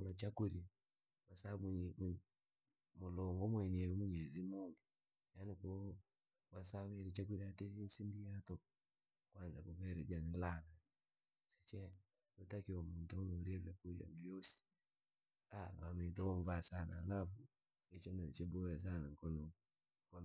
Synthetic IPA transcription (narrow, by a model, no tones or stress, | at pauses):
ulat͡ʃakuɾ | wasamm | mulɔŋɡɔmwɛniɛɾimuɲɛzimuŋɡi | janikɔ | wasawɛɾit͡ʃak̬iɾiatɛinsindiatɔ | kwanzakɔβɛɾɛd͡ʒanilana | sɛ̥t͡ʃɛ | utakiɔmuntunɔɾiɛvɛkuɾia̰mijɔsi̥ | aβamitɔwɔɱvasana̰ːlafu | it͡ʃɔnɛt͡ʃɛbɔwɛs̬anaŋkɔnɔ | kɔn